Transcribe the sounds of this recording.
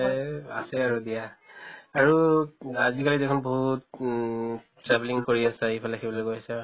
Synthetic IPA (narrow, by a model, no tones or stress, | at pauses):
asɛaɹudija | aɹuazikalidɛkʰɔnboɦut̚ | tɹɛbliŋkoɹiasɛɦipʰalakʰibɔlojkojasɛ